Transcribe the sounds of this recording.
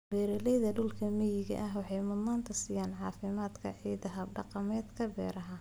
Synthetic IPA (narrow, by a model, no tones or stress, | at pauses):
b̥ɛːɾɛlɛjðɐɖʊlkʰɐmɛjɪɣɐ̰ʔɐɦwɑħɑjmʊd̪naːnt̪ʰɐsiːjaːnʕɑːfɪmaːd̪kʰɐ̰ʕiːd̪ɐɦɐbɖɑqɑmɛːd̪kʰɐbɛ̰ːɾɐɦɐ